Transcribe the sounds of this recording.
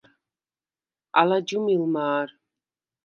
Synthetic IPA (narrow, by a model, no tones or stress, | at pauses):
a̰lad͡ʒumilmaːɾ